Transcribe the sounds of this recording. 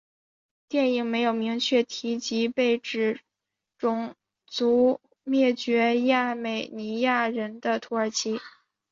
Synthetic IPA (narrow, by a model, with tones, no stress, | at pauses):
t̪jɛ˥˩ni˨˩ŋme˧˥ɪjo˨˩ʊmi˧˥ŋt͡ɕʰɥɛ˥˩t̪ʰi˧˥t͡ɕi˧˥pe˥˩ɪʈ͡ʂɻ̩˨˩ | ʈ͡ʂʊ˨˩ŋ | t͡su˧˥ | mjɛ˥˩t͡ɕɥɛ˧˥ja˥˩me˨˩ɪni˧˥ja˥˩ɻə˧˥nd̪ə˧t̪ʰu˧˥ə˞˨˧˩t͡ɕʰi˧˥